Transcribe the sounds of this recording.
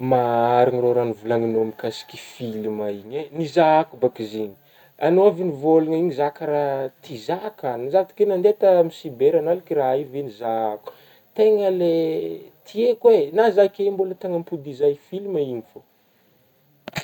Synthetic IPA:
maaɾaŋiroɾanivulaŋinoamkasi̥kʲi̥filimaiɲenizaakubakiziɲi̥ | anoavinivoluŋaiɲizakaɾat̪izakanizavat̪i̥kenand̪et̪amisibeɾanalikiraivenizaaku̥ | t̪eŋəlet̪ʰiekwenazakembulət̪aŋəmpud̪izajfiliməiɲifo

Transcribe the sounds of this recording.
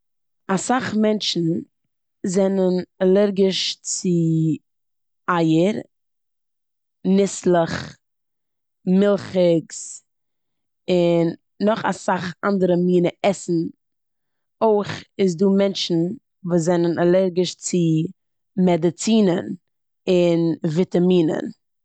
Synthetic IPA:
asaχmɛnʃn̩ | zɛnənalˠɛɾɡɪʃt͡sɪ | aɪəɾ | nɪslˠəχ | mɪlˠχɪks | ɪnː | ɔχa̰saχa̰ndəɾəmiːnəɛsn̩ | oɪχɪs̬duːmɛnʃn̩ | vuːzɛnənalˠɛɾɡɪʃt͡sɪ | mɛdɪt͡siːnən | ɪnvɪtamiːnə̰n

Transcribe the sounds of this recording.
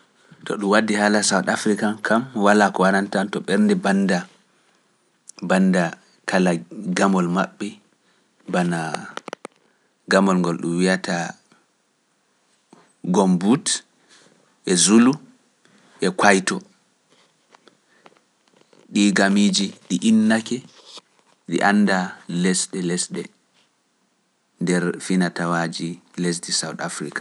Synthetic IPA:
tɔ̰ɗumwadːihaːlasawtafɾikakʰamwalakɔwanantantɔɓɛɾndɛbanda | banːda | kʰalaɡamɔlma̰ɓːɛ | bana | ɡamɔlŋɡɔlɗṵmwijata | ɡɔmbut | ʔɛzulu | ʔɛkwajtɔ | ɗiɡamid͡ʒiɗiʔinːakɛ | ɗḭʔanːdalɛsɗɛlɛsɗɛ̰ | ndɛɾfinatawad͡ʒilɛs̬disawtafɾikḁ

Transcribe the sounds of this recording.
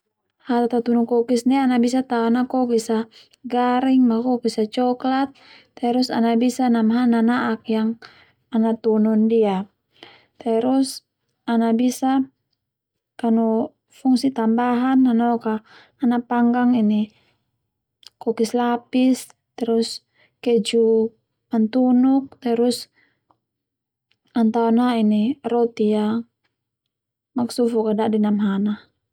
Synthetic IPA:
hat̪at̪at̪unɔkɔkisnianabisat̪aɔnakɔkisa | ɡaɾiŋmakɔkisat͡ʃɔklat̪̚ː | ɛɾusa̰nabisanamɦananaʔak̚jaŋ | anat̪unɔndia | t̪ɛɾus | anabisa | kanu | fuŋsit̪ambaɦananɔkaː | napaŋɡaŋini | kɔkislapis | t̪ɛɾus | kɛd͡ʒu | mant̪unuk̚t̪ɛɾus | ant̪aɔnainiɾɔt̪ia | maksufukadaʔdinamɦana

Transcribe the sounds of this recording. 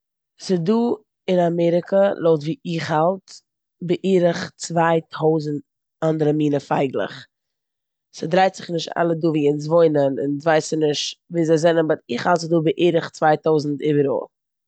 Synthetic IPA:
sɪduː | ɪnamɛɾɪkʰəlˠoʊtviːɪχhalˠt | bɪʔiːɾəχt͡svaɪtʰoʊzn̩t | andəɾəmiːnəfaɪɡlˠə̰χ | sɪdɾaɪtz̥ɪχnɪʃta̰lˠəduːviːɪns̬voɪnənɪ̰nvaɪsənɪʃtviːzaɪzɛnənbaɾɪχhalˠtsɪduːbɪʔiːɾəχt͡svaɪtoʊzn̩tɪbəɾo̰ː

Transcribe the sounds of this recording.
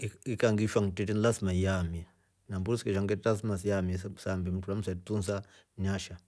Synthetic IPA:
ikaŋɡifaŋtitinlasmajamia | nambuɾuskɛʃaŋɡɛtas̬masjamiasambim̩tulam̩satuns̬a | ɲaʃa

